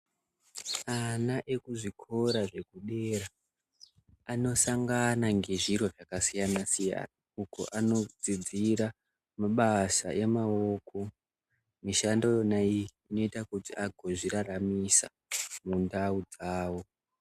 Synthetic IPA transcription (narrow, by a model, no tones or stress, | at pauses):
anaʔe̞kuʐikʰo̞ɾaʐe̞kuɗe̞ɾa | no̞saŋɡanaŋɡe̞ʐiroʐakasijanasija̰na | uko̰ʔano̞d͡zid͡ziɾa | maɓasa̰ʔe̞mao̞kʰo̞ | miʃando̞naiː | no̞itakutiʔaɡʱo̞ʐiɾaɾamisa̰ | mundaud͡zaːwo̞